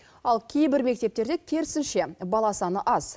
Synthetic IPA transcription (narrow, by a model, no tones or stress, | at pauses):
ɑlˠkʲʰe̞jbɪɾme̞k̚t̪e̞p̚t̪e̞ɾd̪ekʲʰe̞ɾɪsɪnʃe̞bɑlˠɑsɑnəʔɑz̥